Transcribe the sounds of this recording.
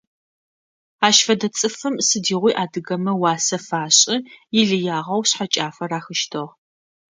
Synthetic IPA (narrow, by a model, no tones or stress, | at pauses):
aːʃfɐdɐt͡sʼɨfɨmsɨdiːʁʷiːʔaːdɨɣɐmɐwaːsɐfaːɕʼɪjɪɮɨjaːʁɐwɕħat͡ʃʼaːfɐraːxɨʃtʰɐʁ